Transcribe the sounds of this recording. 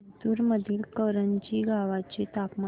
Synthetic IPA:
d̪uːɾməd̪ʱiːlkəɾənt͡ɕiːɡaʋat͡ɕet̪apma

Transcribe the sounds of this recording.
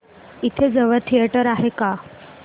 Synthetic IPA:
it̪ʰed͡zəʋəɾt̪ʰijeʈəɾaɦeka

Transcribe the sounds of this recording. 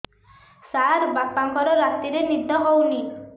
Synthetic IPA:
saɾbapːaŋkɔɾɔɾat̪iɾenid̪ʱɔɦowni

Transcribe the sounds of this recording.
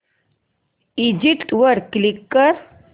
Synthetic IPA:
id͡ʑipʈʋəɾklikːəɾ

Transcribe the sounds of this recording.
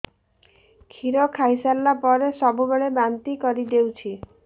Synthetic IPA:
kʰiɾɔkʰajsalːapɔɾesɔbubeɭebant̪ikɔɾid̪ewt͡ɕʰi

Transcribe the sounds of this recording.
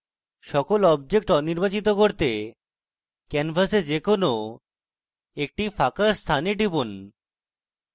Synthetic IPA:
ʃɔkolɔb̚d͡ʑek̚ʈɔniɾbat͡ɕit̪okoɾt̪e | kɛnfʰased͡ʑekono | ek̚ʈifakast̪ʰaneɖipun

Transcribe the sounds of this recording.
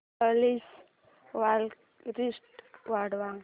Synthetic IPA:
əlis | ʋal | ɾisʈʋaɽʋaŋ

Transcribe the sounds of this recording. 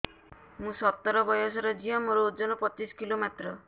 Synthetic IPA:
mũsɔt̪ːɔɾɔbɔjɔsɔɾɔd͡ʒiɔmoɾɔud͡ʒɔnɔpɔt͡ʃisɔ̥kilomet̪ɾɔ

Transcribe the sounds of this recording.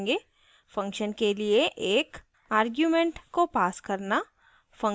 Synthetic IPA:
ɡeː | fɐ̃ŋkʃənkelieʔeːk | aːɾɡjuːmẽːɳʈkopaːskɐɾna | fɐ̃ŋ

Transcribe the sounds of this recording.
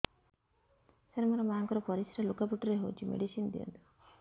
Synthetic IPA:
seɾmɔɾɔmaaŋkɔɾɔpɔɾisiɾalukapuʈɔɾeɦowt͡ʃʰimḛɖisind̪ḭɔ̰nt̪u̥

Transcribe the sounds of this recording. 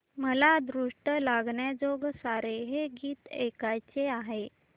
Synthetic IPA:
məlad̪ɾuʂʈəlaɡɳjad͡zoɡsaɾeɦeɡiːt̪ekajt͡seaɦe

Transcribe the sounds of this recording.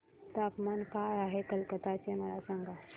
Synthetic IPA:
t̪akmankaɾaːɦekɐlkət̪at͡ʃemɐɾasãŋɡa

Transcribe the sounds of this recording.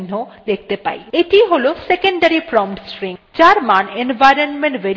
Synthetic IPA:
nːod̪ek̚ʰt̪epa̰jeʈiɦolosekeɳɖaɾipɾɔmʈsʈɾĩŋd͡ʑaɾmanenʋajɾonmẽɳʈʋe

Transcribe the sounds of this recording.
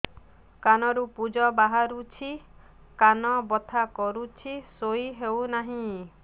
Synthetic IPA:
kanɔɾupud͡ʒɔbaɦaɾut͡ʃʰi | kanɔbɔt̪ʰakɔɾut͡ʃʰisoiɦewnaɦĩ

